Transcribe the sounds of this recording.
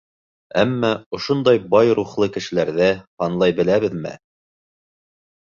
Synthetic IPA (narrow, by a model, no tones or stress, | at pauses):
æmːæŏʃond̪ɑjbɑjɾuχlˠɤkɘ̆ʃɘ̆læɾðæhɑnlˠɑjbɘ̆læβɘ̆ðmɘ̰